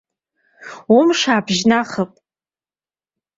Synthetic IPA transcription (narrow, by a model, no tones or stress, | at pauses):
umʂaːbʒnaχəpʼ